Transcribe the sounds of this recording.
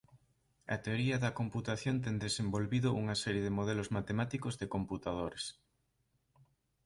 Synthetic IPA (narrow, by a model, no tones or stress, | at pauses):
ɐ̰t̪eoɾiɐðɐkomput̪aθjont̪ɛŋnd̪esembolβiðʊʔuŋɐsɛɾjeðemoð̞ɛlozmat̪emat̪ikozðekomput̪að̞oɾes